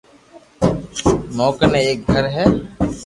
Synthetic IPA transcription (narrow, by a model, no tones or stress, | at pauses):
moːkənẽːeːk̚ɡʱəɾɦɛː